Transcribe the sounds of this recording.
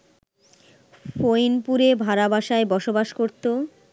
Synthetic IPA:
fojnpuɾebʱaɾabaʃaebɔʃobaʃkoɾt̪o

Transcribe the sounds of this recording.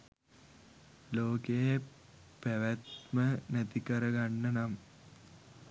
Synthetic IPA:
loːkejə | pæʋæt̪mənæt̪ikəɾəɡanːənam

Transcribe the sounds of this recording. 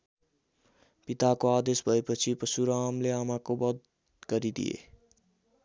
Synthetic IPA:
pit̪akoad̪esbʱʌepʌt͡sʰipʌsuɾamleamakobʌd̪ | ɡʌɾid̪ḭjḛ

